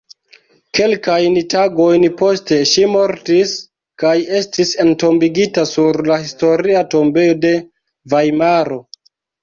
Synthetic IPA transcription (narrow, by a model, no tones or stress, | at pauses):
ke̞lkajntaɡo̞jnpo̞ste̞ʃimo̞ɾtis | kaje̞stise̞nto̞mbiɡitasuɾlahisto̞ɾiato̞mbe̞jo̞de̞ | vajmaɾo̞